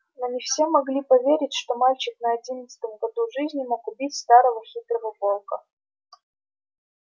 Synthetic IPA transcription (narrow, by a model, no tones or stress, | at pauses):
nonʲɪfsʲe̞mɐɡlʲipɐvʲeɾʲɪtʲʂt̪o̞malʲt͡ɕɪknəɐdʲinət̪sə̥t̪əmɡɐd̪uʐɨzʲnʲɪmo̞kʊbʲitʲst̪aɾəvəxʲit̪ɾəvəpo̞lˠkə